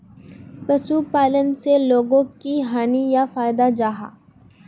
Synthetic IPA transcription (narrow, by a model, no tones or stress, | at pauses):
pɐsupaːlənseloːɡõkiɦaːnijafaːjd̪ad͡ʒaːɦa̰ː